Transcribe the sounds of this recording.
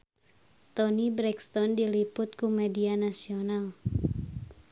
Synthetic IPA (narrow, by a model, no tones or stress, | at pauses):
t̪ɔnibɾɛkst̪ɔndilipʊt̪̚kumɛdianasiɔnal